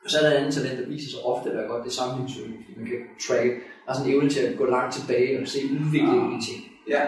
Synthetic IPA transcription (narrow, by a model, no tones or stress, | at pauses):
ɒsæləænð̩ˠt͡sʰælen̰d̥ɑ̈ʋḭːsɐsɑʔɒ̽fd̥əæ̥æɐɡ̥ɒ̽d̥ːe̝sɑ̈mn̩e̝ŋsy̥mænkʰæt͡sʰʁæɡ̥əæsɒ̽neʊnət͡sʰe̝æɡ̥ɔ̰̽ːlɑ̈ŋ̰d̥̚t͡sʰe̝b̥ɛːɪlɒkʰæse̝̰ːuðˠʋe̝ɡ̥le̝ŋd̥it͡sʰe̝ŋ̰